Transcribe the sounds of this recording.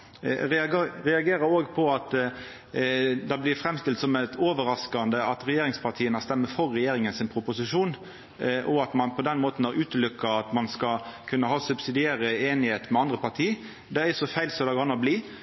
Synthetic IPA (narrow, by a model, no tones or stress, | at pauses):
ɾɛɑɡɾɛɑɡeːɾəɾoːɡpʰɔɑt̪ | d̪ɑblɪɾfɾɛmst̪ɪlt̪sɔmæt̪ʰoːʋəɾɑskɑnd̪əɑt̪ɾɛjeːɾɪŋspʰɑʁt̪ʰiːənəst̪ɛmːəfɔɾːɛjeːɾɪŋənsɪnpʰɾʊpʊsɪʂuːn | ʔɔɑt̪mɑnpʰɔd̪ɛnmoːt̪n̩ɑɾʔʉːt̪lʉkːɑɑt̪mɑnskɑkʰʉnːəɦhɑːsʉbsɪd̪ɪeːɾəeːnɪheːt̪mɛɑnd̪ɾəpɑɾt̪ʰiː | d̪ɛæsɔfæɪlsɔd̪ɑɡɑnɑbliː